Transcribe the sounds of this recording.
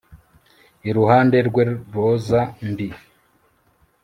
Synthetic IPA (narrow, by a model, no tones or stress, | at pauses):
iɾuhaːndeɾɡweβozambi